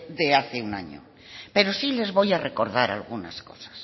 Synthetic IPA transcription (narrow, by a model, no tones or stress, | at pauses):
d̪eaθeuna̰ɲo̰ | pe̞ɾo̞sile̞zβo̞jareko̞ɾð̞aɾa̰lɣunasko̞sḁs